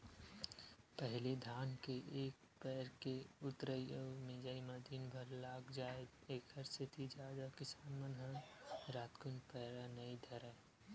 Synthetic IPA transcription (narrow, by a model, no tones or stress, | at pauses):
pɛɦlid̪ʱaːnkeʔeːk̚ | pɛːɾkeʊt̪ɾəiəːmɪd͡ʒaimɐd̪iːnbʱɐɾlaːɡd͡ʒaːe | eːkʰəɾsʰɪt̪ʰid͡ʒaːd̪akɪsaːnmənɦənɾaːt̪kʊnpɛːɾanɐid̪ʱɐɾa